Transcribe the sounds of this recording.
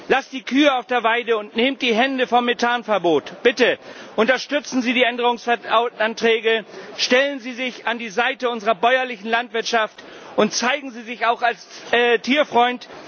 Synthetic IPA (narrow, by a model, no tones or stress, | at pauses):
lasd̥iːkʰyːəaʊfd̥eːɐvaɪdəʊntneːmd̥iːɦɛndəfɔmːetʰaːnfɛɐboːtb̥ɪtəʔʊntɐʃtʏt͡sn̩ziːdiːɛndəʁʊŋsfɛantʁ̥ɛːɡəʃtɛlənziːzɪçandiːzaɪtəʊnzəʁɐbɔʏɐlɪçn̩lantv̥ɪɐtʃaft | ʔʊntt͡saɪɡŋ̩ziːzɪçaʊxalstʰiːɐfʁ̥ɔʏnt